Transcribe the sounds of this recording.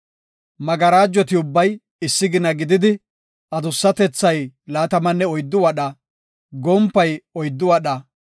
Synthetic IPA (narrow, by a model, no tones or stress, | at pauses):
mɐɡɐɾaːd͡ʒːɔt̪ɪʊbːɐj | ɪsːɪɡɪnɐɡɪd̪ɪd̪ɪ | ʔɐd̪ʊsːɐt̪ɛt͡sːɐjlaːt̪ɐmɐnːɛɔjd̪ːʊwɐɗɐ | ɡɔmpːɐjɔjd̪ːʊwɐɗɐ